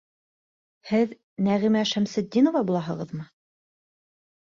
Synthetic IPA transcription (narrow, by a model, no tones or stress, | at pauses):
hɘð | næʁimæʃæmsɘ̆d̪ʲːinŏvɑbulˠɑɦɤ̆ʁɤ̆ðmɤ